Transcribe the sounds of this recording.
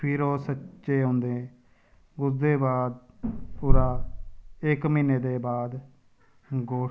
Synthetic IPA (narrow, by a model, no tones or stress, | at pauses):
pʰiːɾoːsəʃeːɦõːnd̪eː | ɡʊsd̪eːbaːd̪̚puːɾaː | ɪkmiːneːd̪eːbaːd̪ | ɡoː